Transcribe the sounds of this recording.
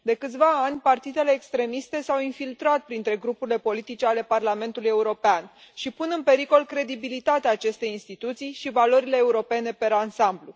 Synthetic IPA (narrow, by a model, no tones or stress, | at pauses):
d̪e̞kɨt̪sʲvaanʲpart̪id̪e̞le̞ːkst̪ɾe̞mist̪e̞sawinfilt̪ɾat̪̚pɾint̪ɾe̞ɡɾupuɾile̞po̞lit̪it͡ʃe̞ale̞parlame̞nt̪uluje̞uɾo̞pean | ʃipunɨnpe̞ɾiko̞lkɾe̞d̪ibilit̪at̪eaːt͡ʃe̞st̪e̞jinst̪it̪ut̪sijʃivalo̞ɾile̞ːuɾo̞pe̞ne̞pe̞ɾansamblu